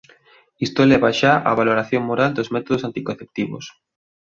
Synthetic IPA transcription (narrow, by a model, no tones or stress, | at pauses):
ist̪olɛβaʃaʔa̰βaloɾaθjoŋmoɾald̪ozmɛt̪oðosant̪ikoθep̚t̪iβo̰s